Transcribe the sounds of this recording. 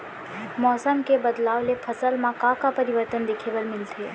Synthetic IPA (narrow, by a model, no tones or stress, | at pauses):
mɔːsəmkebəd̪laːʋlepʰəsəlmãkãkapəɾɪʋəɾt̪ənd̪eːkʰeʋəlmɪlt̪ʰeː